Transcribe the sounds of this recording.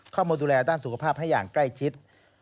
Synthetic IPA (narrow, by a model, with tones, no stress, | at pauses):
kʰɔː˥˩mauː˧nduː˧lɛː˧daː˥˩nsu˨˩kʰa˧pʰaː˥˩p̚ha˥˩jaː˨˩ŋkla˥˩jt͡ɕʰi˦˥t̪̚